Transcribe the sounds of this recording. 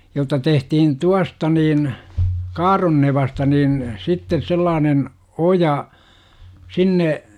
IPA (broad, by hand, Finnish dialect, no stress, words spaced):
jotːɑ tehtihin tuɑstɑ niːn kɑːronːeʋɑstɑ niːn sitːes selːɑːnen ojɑ sinːe